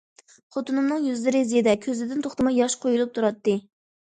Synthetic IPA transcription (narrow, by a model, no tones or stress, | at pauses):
qʰot̪unɨmnɨŋjyzlɪɾɪzijɪd̪ɛkʲʰøzlɪd̪ɪnt̪ʰoχt̪ɨmɑjɑʃqʰojulˠup̚t̪ʰuɾɑt̪ːɨ